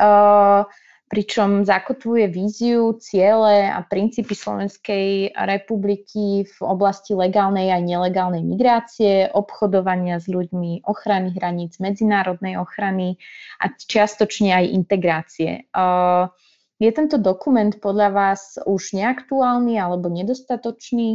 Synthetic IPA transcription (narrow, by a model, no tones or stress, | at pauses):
pɾit͡ʃɔmzakɔt̪ʋujɛʋiːziut͡sɪɛlɛa̰pɾint͡siːpislɔ̰ʋɛnskɛjɾɛpublikʰivɔ̰blascilɛɡaːlnɛjajɲɛlɛɡaːlnɛjmiɡɾaːt͡siɛʔɔpxɔd̪ɔʋaɲɪazʎuɟmiʔɔxɾaniɦɾaɲiːd͡zmɛd͡zinaːɾɔd̪nɛjɔxɾania̰t͡ʃɪast̪ɔt͡ʃɲɛajʔḭnt̪ɛɡɾaːt͡siɛ̰ | jɛt̪ɛnt̪ɔd̪ɔkumɛnt̪pɔd̪ʎaʋaːzuʒ̥ɲɛakt̪uaːlnialɛbɔɲɛd̪ɔst̪at̪ɔt͡ʃniː